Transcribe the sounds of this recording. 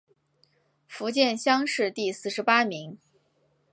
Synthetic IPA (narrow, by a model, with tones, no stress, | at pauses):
fu˧˥t͡ɕjɛ˥˧nɕjɑ˥ŋʂɻ̩˥˧t̪i˥˧sɹ̩˥˩ʂɻ̩˧˥pa˥mi˧˥ŋ